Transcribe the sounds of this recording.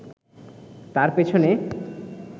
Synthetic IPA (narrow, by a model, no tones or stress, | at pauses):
t̪aɾpet͡ɕʰone